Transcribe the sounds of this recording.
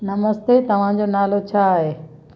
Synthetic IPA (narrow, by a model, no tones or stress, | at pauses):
nɐməst̪et̪ɐʋ̤ãd͡ʑoːnaːlot͡ɕʰaːɦeː